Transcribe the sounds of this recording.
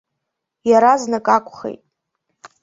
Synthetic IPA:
jaɾaznɨkʼakʷʰʼχḛjtʼ

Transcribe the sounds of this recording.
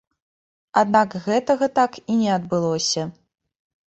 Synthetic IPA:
ad̪nakɣɛt̪ɐɣɐt̪akinʲɛɐd̪bɨlˠɔsʲɐ

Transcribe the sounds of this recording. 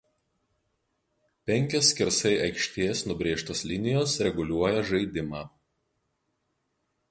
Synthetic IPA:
pʲɛŋʲkʲoːsʲkʲɪɾsɐɪʔɐɪkʃʲt̪ʲeːsnʊbʲɾʲeːʃt̪oːslʲɪnʲɪjoːsɾʲɛɡʊlʲuɔjɛʒɐɪd̪ʲɪmɑː

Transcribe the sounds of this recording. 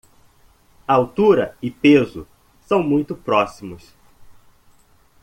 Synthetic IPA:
ɐawt̪uɾɐɪpezʊ̰ | sɐ̃w̃mũj̃t̪ʊpɾɔsimʊs

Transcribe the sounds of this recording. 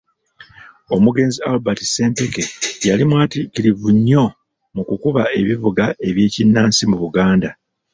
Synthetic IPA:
o̞muɡe̞ːnzialbati̥se̞ːmpe̞ke̞jalimwaːtikiɾivuɲːo̞ | mukukuβae̞βivuɡae̞βje̞ːcinːaːnsimuβuɡaːnda

